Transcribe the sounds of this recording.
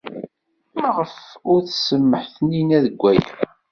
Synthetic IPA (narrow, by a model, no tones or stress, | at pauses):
məʁəfʊɾθsəmːəħθninæðəɡʷːæjæ̰